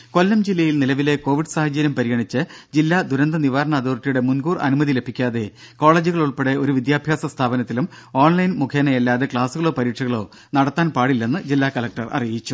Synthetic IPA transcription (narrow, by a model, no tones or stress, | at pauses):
ko̞lːɐmd͡ʑilːɐjilnilɐʋile̞ko̞ːʋiɖsaːhɐd͡ʑɐɾjɐmpɐɾiɣɐɳit͡ɕːɨd͡ʑilːad̪uɾɐnd̪ɐniʋaːɾɐɳɐːd̪oːrʈːijuɽe̞munɡuːrɐ̰numɐðile̞bʱikʲːaːðe̞ | ko̞ːɭeːd͡ʑuɣɐɭuɭpeɽeo̞ɾuʋid̪jaːbʱjaːsɐst̪ʰaːbɐnɐt̪ːilum | oːɳlɐjnmukʰjenɐjelːaːðe̞kɭaːsuɣɐɭo̞ːpɐɾiːʈʂɐɣɐɭo̞̰ː | nɐɽɐt̪ːaːnpaːɽilːenːɨd͡ʑilːaːkɐlɐk̚ʈɐrɐ̰rijit͡ɕːu